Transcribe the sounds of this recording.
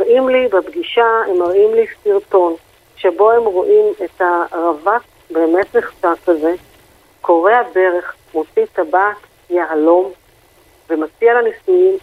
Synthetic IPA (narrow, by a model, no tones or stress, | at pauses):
aʁʔimlibebɡiʃaemaʁʔimlisiʁto̞n | ʃe̞bo̞hemʁoʔimethaʁavat | be̞ːme̞tneχʃakaze̞ | kʰo̞ʁe̞ade̞ʁe̞χ | mot͡sit̪abaːt | jealo̞m | vemat͡sialanisujim